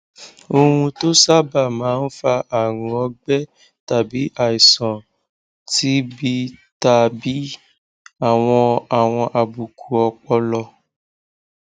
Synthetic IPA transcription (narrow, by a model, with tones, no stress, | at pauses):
o˧hũ˧to˦sa˦ba˦˨mãː˨˦n̩˦fa˧ʔa˦˨ɾ̃ũ˨˦ɔ˧ɡ͡bɛ˦ | ta˨bi˨˦a˨i˨sɔ̃˨ | ti˦bi˧ta˧bi˨˦ | a˦˨w̃ɔ̃˧a˨w̃ɔ̃˧ʔa˧bu˨kʰu˨ɔ˧k͡pɔ˧lɔ˧